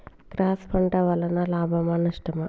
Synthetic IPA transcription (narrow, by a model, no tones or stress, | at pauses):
kɾaːspʰɐɳʈɐʋɐlɐnɐlaːbʱɐmɐnɐʂʈɐmɐ